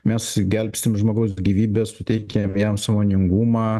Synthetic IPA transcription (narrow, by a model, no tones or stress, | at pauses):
mʲɛsɡʲɛlʲpʲsʲɪmʒmoːɡɐʊsɡʲiːʋʲiːbʲɛssʊt̪ʲɛɪkʲɛmjɛmsɑːmoːnʲɪŋɡuːmɑː